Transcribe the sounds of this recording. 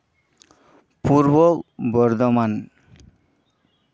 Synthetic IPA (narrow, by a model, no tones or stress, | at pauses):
puɾbɔkbɔɾd̪ɔman